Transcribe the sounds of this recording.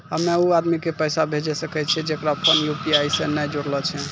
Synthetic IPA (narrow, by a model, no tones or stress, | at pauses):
əmeuad̪mikepəjsabʱed͡ʒɛsəkɛt͡ʃʰɛd͡ʒekɾapʰənjupiajsẽnajd͡ʒoɾlət͡ʃʰɛ